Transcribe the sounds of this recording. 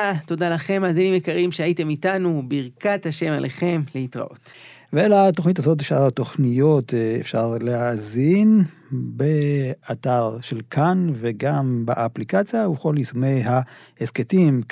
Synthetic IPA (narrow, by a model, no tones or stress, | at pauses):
to̞dalaχe̞mazenimekaʁimʃeaite̞mitanubiʁkathaʃe̞malʔeχe̞mleitʁa̰ʔo̰t | veelato̞χnit̬azo̞t̬efʃaʁato̞χnijo̞tefʃaʁleazinbeataʁʃe̞lkʰanveɡambeʔaplikat͡sjauko̞lisumejɦahesketim